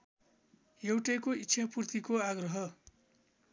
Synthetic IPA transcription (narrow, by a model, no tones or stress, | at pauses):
jewʈʌjkoitːʃʰʌpurt̪ikoaɡrʌɦʌ